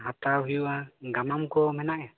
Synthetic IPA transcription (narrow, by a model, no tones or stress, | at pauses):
ɦat̪awɦiuaɡamamkɔmɛnaʔja